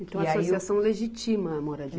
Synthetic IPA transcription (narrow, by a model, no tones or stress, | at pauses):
ẽt̪ɐ̃w̃aasoisiasɐ̃w̃leʒit͡ʃimɐmɔɾɐd͡ʒi